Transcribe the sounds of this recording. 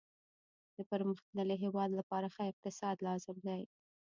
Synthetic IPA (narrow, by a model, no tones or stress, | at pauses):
d̪̥əpəɾməxt̪naləɦewɑd̪lapɑɾaxaɪq̚t̪ɪsɑd̪lɑzɪmd̪aj